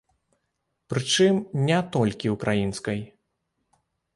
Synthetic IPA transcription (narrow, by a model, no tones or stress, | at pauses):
pɾɨt͡ʂɨmnʲɛt̪ɔlʲkʲiwkɾʔajinskɐj